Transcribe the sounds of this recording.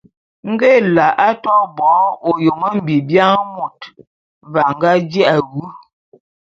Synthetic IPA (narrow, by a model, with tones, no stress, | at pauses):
ŋ̩˦ɡe˦la˨ʔa˦tɔ˦bɔ˨˦o˨jo˨ŋə˦m̩˨bi˨bja˦ŋ˦mu˨t | va˨ŋ̩˦ɡa˦d͡ʒɛ˦ʔa˨ɣu˦